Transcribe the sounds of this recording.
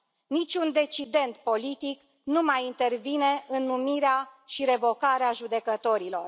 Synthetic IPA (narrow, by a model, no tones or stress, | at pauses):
nit͡ʃʲund̪e̞t͡ʃid̪e̞nt̪̚po̞lit̪ik | numajint̪e̞rvine̞ʔɨnːumiɾeaʃiɾe̞vo̞kaɾeaʒud̪e̞kət̪o̞ɾilo̞r